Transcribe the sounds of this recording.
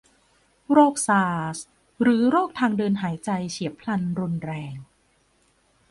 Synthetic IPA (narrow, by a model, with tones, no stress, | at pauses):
ɾoː˥˩k̚saː˧s | ɾɯː˩˦ɾoː˥˩k̚t̪ʰaː˧ŋdɤː˧nɦaː˩˦jt͡ɕa˧jt͡ɕʰi˩˦əpʰla˧nɾu˧nɾɛː˧ŋ